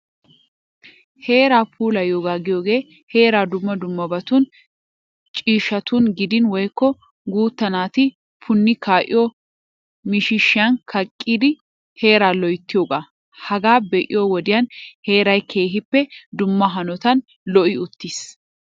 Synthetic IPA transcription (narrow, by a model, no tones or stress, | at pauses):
he̞ːɾaːpʰuːlɐjoːɡaːɡɪjoːɡe̞ː | he̞ːɾaːd̪ʊmːɐd̪ʊmːɐbɐt̪ʊn | t͡ʃʼiːʃɐt̪ʊnɡɪd̪ɪnwɔjkːɔ | ɡuːt̪ːɐnaːt̪ɪ | pʰʊnːɪkʰaːʔɪ̰jɔ | mɪʃɪʃːɪɐnkʰɐkʼːiːd̪ɪ | he̞ːɾaːlɔjɪt̪ːɪjoːɡaː | hɐɡaːbɛʔɪ̰joːwɔd̪ɪjɐnhe̞ːɾɐjkʰe̞ːɦɪpːɛd̪ʊmːɐɦɐnɔt̪ɐn | lɔʔɪʊt̪ːɪs